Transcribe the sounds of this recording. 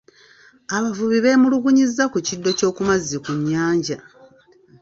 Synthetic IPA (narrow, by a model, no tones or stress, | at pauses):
aβavuβiβe̞muluɡuɲizːakucidːo̞co̞ːkumazikuɲːaːɲɟa